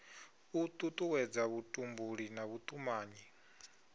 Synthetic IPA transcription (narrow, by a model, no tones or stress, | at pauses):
ut̪ʼut̪ʼuwɛd͡zaβutʼumbuɺinaβut̪ʼumaːɲi